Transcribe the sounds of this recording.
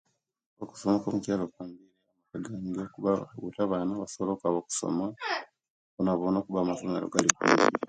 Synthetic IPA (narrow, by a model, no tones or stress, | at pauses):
βoku̥somakomucaːlokwaːmbineamakaɡaːɲiɡokuβaṵtaβaːnaβasoβolokaβoku̥so̰ma | onaβonoːkuβamafonelo̰ɡalikṵːɲɟi